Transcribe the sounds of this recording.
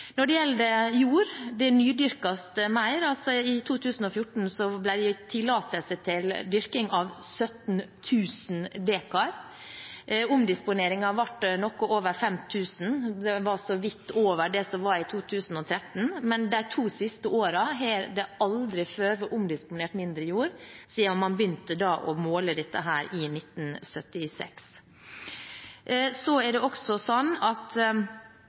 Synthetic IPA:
nɔɖɛjɛld̪əjuːɾd̪ɛnyːd̪ʏɾkɑst̪əmæɪɾɑlsɔɪt̪ʰuːt̪ʰʉːsn̩ɔfjʊʈn̩sɔblæɪɖ̪ɛt̪ʰɪlːɑːt̪əlsət̪ʰɪld̪ʏɾkɪŋɑʋsœt̪nt̪ʰʉːsnd̪eːkɑɾ | ʊmd̪ɪspʊneːɾɪŋɑʋɑʈːnɔkɔʔoːʋəɾfɛmt̪ʰʉːsn̩d̪ɛʋɑsɔʋɪt̪ːoːʋəɖɛsɔmʋɑɾɪt̪ʰuːt̪ʰʉːsn̩ɔt̪ʰɾɛt̪n̩mɛnd̪æɪt̪ʰuːsɪst̪əoːɾɑɦɛːɾd̪ɛɑld̪ɾɪføːɾʋəʔʊmd̪ɪspʊneːʈmɪnd̪ɾəjuːɾsiːɔmːɑnbəjʏnt̪əd̪ɑːʔɔmoːləd̪ɛt̪ːə̰ɦæːɾɪnɪt̪ːn̩sœt̪ːɪsɛ̰ks | sɔɛɖɛɔksɔsɔnːɑt̪

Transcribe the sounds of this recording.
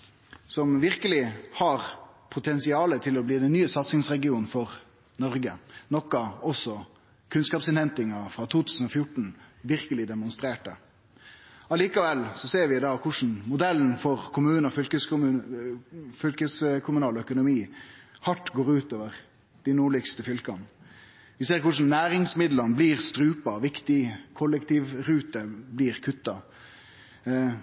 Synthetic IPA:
sɔmʋɪʁkəlɪhɑʁpʰʊt̪ʰɛnsɪɑːlət̪ʰɪlɔbliːd̪ɛnːyːəsɑt̪sɪŋsɾɛɡɪuːnfɔɾ | nɔʁɡənɔkːɑɔsːɔ | kʰʉnskɑːpsɪnhɛnt̪ɪŋɑfɾɑːt̪ʰuːt̪ʰʉ̥ːsn̩ɔfjʊʈɳ̩ʋɪɾkəlɪd̪ɛmʊnst̪ɾeːʈə | ɑliːkɑʋɛlːsɔseːɾʋɪd̪ɑːkʰʊʂn̩mʊd̪ɛlːn̩fɔɾkʰʊmʉːnɔfʏlkəsʉ | fʏlkəskʰʊmʉnɑːlɔœkʊnʊmiːhɑʈːɡoːɾʉːt̪oːʋəʁ | d̪̥ɪnuːɭɪkst̪əfʏlkɑn | ʋɪseːɾkʊʂn̩næːɾɪŋsmɪd̪lɑnbliʁst̪ɾʉːpɑʋɪkt̪ɪkʰɔlːəkt̪ʰiːʋɾʉːt̪əbliːɾkʰʉt̪ːɑ

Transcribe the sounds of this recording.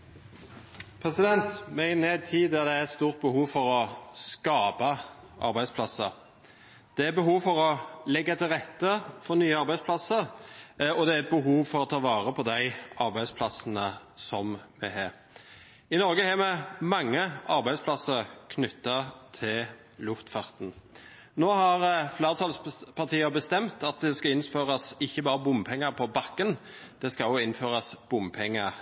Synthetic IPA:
pʰɾɛsɪd̪ɛnt̪mɛɪneːd̪̚t̪ʰiːæʁd̪ææɛt̪st̪uːʁt̪̚bəhuːʋfɔɾɔskɑːpɑ | ʔɑ̰ɾbæɪd̪spʰlɑsə̰ɾ | d̪̥ɛæɾbəɦuːʋfɔɾɔlɛɡːɑt̪ʰɪlʁɛt̪ːəfɔnyːəɑɾbæɪd̪spʰlɑsəɾ | ɔd̪ɛæɾɛt̪̚bəɦuːʋfɔɾɔt̪ʰɑːʋɑːʁəpʰɔd̪æɪʔɑɾbæɪd̪spʰlɑsnə | sɔmmɛ̰ɦɑːɾ | ɪnɔɾɡəhɛːmɛmɑŋːəɑɾbæɪd̪splɑsəʁkʰnʏt̪ːɑt̪ʰɪl | lʉft̪fɑʁt̪n̩ | noːhɑʁfleːʁət̪ʰɑlspʰɑʁt̪ʰiːəbəst̪ɛmt̪ɑt̪̚d̪ɛskɑɪnføːʁɑsɪçːəbɑːɾəbʊmpʰɛŋːəɾpʰɔbɑkːən | d̪̥ɛskɑlɔɪnføːɾɑsb̥ʊmpʰɛŋːə

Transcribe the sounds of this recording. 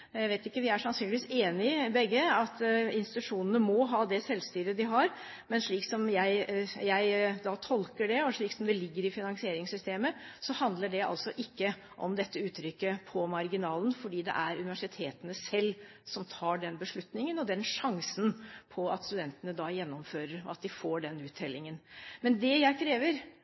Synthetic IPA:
jæɪʋeːt̪ɪkːəʋɪæʂɑnsyːnlɪʋiːseːnɪbɛɡːəɑt̪ɪnst̪ɪt̪ʉʂuːnənəmɔɦɑːd̪ɛsɛlːst̪yːɾəd̪ɪɦɑɾ | mɛnʂɭiːksɔmjæɪjæɪd̪ɑt̪ʰɔlkəɖɛɔʂɭiːksɔmd̪ɛlɪɡːəɾɪfɪnɑŋsɪeːɾɪŋsʏst̪eːməsɔhɑnd̪ləɖɛɑ̰lsɔʔɪkːə | ʔɔ̰md̪ɛt̪ːəʉːt̪ʰɾʏkːəpʰɔmɑɾɡɪnɑːlən̩fɔɖiːd̪ɛ̰ʔæɾʉnɪʋæʂɪt̪ʰeːt̪ənəsɛlː | sɔmt̪ʰɑːɖɛnbəʂɭʉt̪nɪŋənɔd̪ɛnʂɑŋsən̩pʰɔɑt̪st̪ʉd̪ɛnt̪ənəd̪ɑːjɛnːɔmføːɾəɾɑ̰t̪̚d̪ɪfoːɖɛnʉːt̪ʰɛlːɪŋənmɛnd̪ɛjæɪkʰɾeːʋəɾ

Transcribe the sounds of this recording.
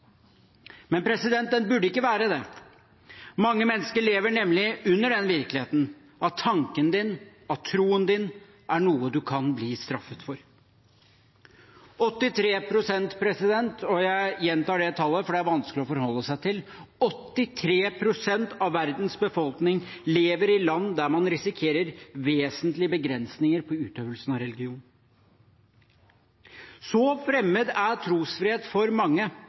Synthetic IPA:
mɛnpʰɾɛsɪd̪ɛnt̪̚d̪ɛnbʉɖːəɪkːəʋæːɾəd̪ɛ | mɑŋːəmɛnːəskəɭeːʋəɳɛmlɪʉnːəɖɛnʋɪɾkəlɪeːt̪n̩ | ʔɑt̪ʰːɑŋkənd̪ɪn | ɑt̪ʰːɾuːənd̪ɪn | ʔæɳuːəd̪ʉkʰɑnbliːst̪ɾɑfət̪fɔɾ | ɔt̪ːɪt̪ʰɾeːpʰɾʊsɛnt̪pʰɾɛsɪd̪ɛnt̪ʰɔjæɪjɛnt̪ɑːɖɛt̪ʰɑlːəfɔɖɛæɾʋɑnsklɪɔfɔɾhɔlːəsæɪt̪ɪlɔt̪ːɪt̪ʰɾeːpʰɾʊsɛnt̪ʰɑʋʋːæɾd̪nsbəfɔlknɪŋleːʋəɾɪlɑnːd̪æɾmɑnɾɪsɪkʰeːɾəɾʋeːsənt̪lɪəbəɡɾɛnsnɪŋəɾpʰɔʉːt̪øːʋəlsn̩ɑʋɾɛlɡɪuːn | sɔfɾɛmːəd̪æʈʰɾuːsfɾɪheːt̪fɔɾmɑŋːə

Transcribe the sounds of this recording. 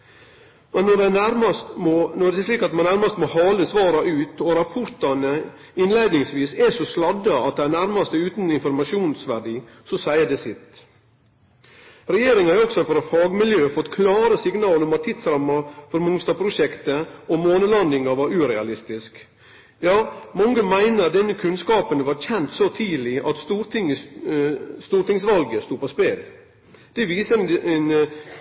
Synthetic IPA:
mɛnːɔɖɛnæɾmɑst̪monɔɖ̪ɛʂliːkɑt̪mɑnːæɾmɑst̪mɔhɑːləsʋɑːɾɑʔʉːt̪ɔɾɑpʰɔɾt̪ɑnə | ɪnleɪd̪nɪŋsʋiːsɛʂɔslɑd̪ɑɑt̪̚d̪ɛænæɾmɑst̪əʉːt̪nɪnfɔɾmɑʂuːnsʋæɖiː | sɔsæɪəd̪ɛsɪt̪ | ɾɛjeːɾɪŋhɑɾɔksɔfɔɾɑfɑːɡmɪljøːfɔt̪ːkʰlɑːɾəsɪɡnɑːlɔmɑt̪ʰːɪd̪sɾɑmːɑfɔɾmʊŋst̪ɑːpʰɾʊʂɛkt̪əɔmoːnəlɑnd̪ɪŋɑʋɑɾʉːɾɛɑlɪst̪ɪsk | jɑːmɔŋːəmæɪnəd̪ɛnːəkʰʉnskɑːpənʋɑɾçɛnt̪sɔt̪ʰiːlɪʔɑ̰t̪st̪uːɾt̪ʰɪŋə | st̪uːɾʈ̪ɪŋsʋɑlɡəst̪uːpʰɔspeːl | d̪̥ɛʋiːsəɛn

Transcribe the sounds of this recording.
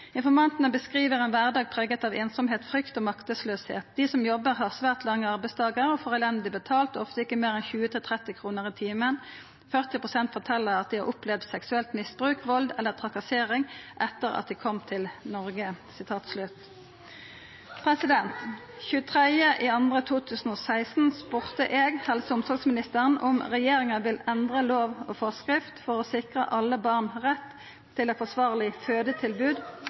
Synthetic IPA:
ɪnfɔʁmɑnt̪nəbəskʁiːʋəʁeːnʋæʁd̪ɑːɡ̚pʰʁeːɡət̪ɑːʋeːnsɔmɦeːt̪fʁʏkt̪oːmɑkt̪əsløːshḛːt̪̚d̪iːsɔmjɔbəʁɦɑːʁsʋæːʁt̪lɑŋːəɑʁbæɪst̪ʰɑːɡəʁɔfoːʁɛlɛnd̪lɪbət̪ʰɑːlt̪ːɔft̪əɪkːəmeːʁɛnçʉːət̪ʰɪlt̪ʰʁɛt̪ːɪkʰʁuːnəʁiːt̪ʰiːmən | fœʁt̪ɪpʁʊsɛnt̪fɔʈ̪ʰɛlːəʁɑt̪̚d̪ɪhɑʁʔʊplɛʋd̪̥sɛksʉɛlt̪mɪsbʁʉːkʋɔld̪ɛlːət̪ʰʁɑkɑseːʁɪŋʔɛt̪ːəʁɑ̰t̪̚d̪iːkʰɔmt̪ʰɪlnɔʁɡəsɪt̪ʰɑːt̪slʉt̪ | pʰʁɛsɪd̪ɛnt̪ | çʉːət̪ʰʁɛjəʔiːɑnd̪ʁət̪ʰuːt̪ʰʉːsn̩oːsæɪst̪n̩spʊʁt̪əʔeːɡhɛlsəʊmsɔɡsmɪnɪst̪əʁənʊmʁɛjeːʁɪŋɑʋɪlɛnd̪ʁəloːʋoːfɔʁskʁɪft̪fɔʁoːsɪkʁəʔɑlːəbɑʁnʁɛt̪ʰː | ɪlɛt̪fɔsʋɑːʁlɪføːd̪ət̪ʰɪlbʉːd̪

